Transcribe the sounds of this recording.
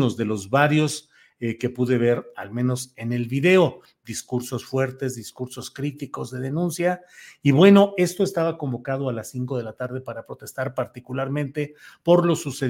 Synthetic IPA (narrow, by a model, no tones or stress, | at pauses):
nozðe̞lo̞zβaɾjo̞s | ke̞puðe̞β̞e̞ɾa̰lmẽno̞se̞ne̞lβiðe̞o̞ | ðiskuɾso̞sfwe̞ɾt̪e̞zðiskuɾso̞skɾit̪iko̞zðe̞ðe̞nũnsjaiβwe̞no̞e̞st̪o̞est̪aβako̞mbo̞kað̞o̞alasiŋko̞ð̞e̞lat̪aɾð̞e̞paɾapɾo̞t̪e̞st̪aɾpaɾt̪ikulaɾmẽ̞nt̪e̞ | po̞ɾlo̞suse